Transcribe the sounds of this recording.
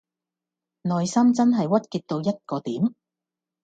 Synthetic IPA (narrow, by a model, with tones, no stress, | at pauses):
nɔː˨jsɐ˥mt͡sɐ˥nɦɐ˨jwɐ˥t̚kiː˧t̚t̪o˧wjɐ˥t̚kɔː˧t̪iː˨˥m